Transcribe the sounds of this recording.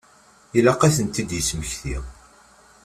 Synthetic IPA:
ilɑqæθənt̪ːid̪jət͡sːməçθiʁ

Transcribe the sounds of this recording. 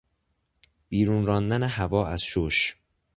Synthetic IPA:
b̥iːɾuːnɾɒːnd̪æneɦævɒːæz̥ʃoʃ

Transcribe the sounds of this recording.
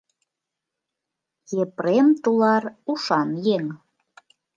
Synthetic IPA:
jepremt̪ulɑruʃɑnjeŋ

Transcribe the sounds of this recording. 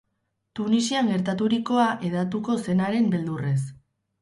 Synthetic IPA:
t̪unisiaŋɡe̞ɾt̪at̪̬uɾiko̞aʔe̞ðat̪̬uko̞se̞naɾe̞mbe̞ld̪ure̞s

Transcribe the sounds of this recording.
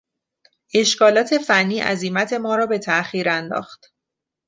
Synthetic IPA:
ʔe̞ʃkʰɒːlɒːt̪ʰe̞fænːiːʔæ̰zimæt̪ʰe̞mɒːɾɒːbe̞t̪ʰæʔxiːɾænd̪ɒ̰ːxt̪

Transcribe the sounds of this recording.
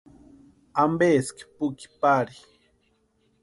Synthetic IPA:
ambeski̥puki̥paɾi̥

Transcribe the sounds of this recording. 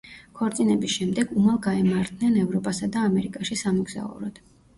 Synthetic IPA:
kʰɔɾt̪sʼinɛbisʃɛmd̪ɛɡumalˠɡaɛmaɾt̪̚ʰnɛnɛvɾɔpʼasad̪aːmɛɾikʼaʃisamuɡz̥a̰ṵɾɔd̪̥

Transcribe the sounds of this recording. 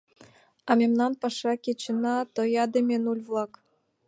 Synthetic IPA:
ɑmʲemnɑnpɑʂɑkʲet͡ɕɘ̆nɑt̪ojɑd̪ĕmʲenulʲvlˠɑk

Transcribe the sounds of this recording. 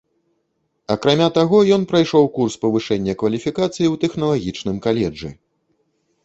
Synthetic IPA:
ɐkɾamʲat̪aɣɔjɔn̪pɾajʂɔwkurspɐvɨʂɛnʲːɐkvɐlʲifʲikat̪sɨjiwt̪ɛxn̪ɐlˠaɣʲit͡ʂnɨmkalʲɛd͡ʐɨ̰

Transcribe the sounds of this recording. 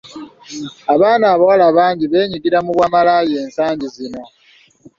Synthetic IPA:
aβaːnaːβawalaβaːɲɟiβe̞ːɲiɡiɾamuβwaːmalaːje̞ːnsaːɲɟizino̞

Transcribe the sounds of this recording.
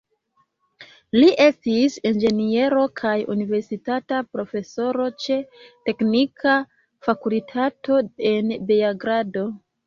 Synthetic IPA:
liʔe̞stisend͡ʒe̞nie̞ɾo̞kʰajṵnive̞ɾsitatapɾo̞fe̞so̞ɾo̞t͡ʃe̞te̞knikʰa | fakulitʰato̞e̞nbejaɡɾado̞

